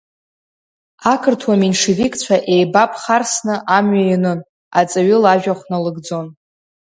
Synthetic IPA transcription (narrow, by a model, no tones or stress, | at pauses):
akʰɨrtʰwaminʂivikʼt͡sʷʰaʔe̞jbapʰʼχarsnɨʔamɥainɨn | at͡sʼaɥʏlaʒᶣaχʷnalɨɡd͡zo̞n